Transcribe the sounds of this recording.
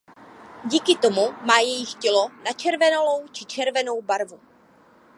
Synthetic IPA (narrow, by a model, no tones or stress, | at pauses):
ɟiːkɪt̪o̞mumaːjɛjɪxcɛlo̞nat͡ʃɛɾvɛnolo̞wt͡ʃɪt͡ʃɛɾvɛno̞wbaɾvu